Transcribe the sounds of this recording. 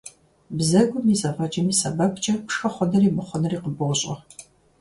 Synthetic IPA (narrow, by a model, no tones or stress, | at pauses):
bzɐɡʷʊmiːsʼɐfɐd͡ʒɐmiːsɐbɐkʰʷʼt͡ʃʼɐpʂxɐχʷɔnɐriːmɨχʷɔnɐriːqəbowɕʼɐ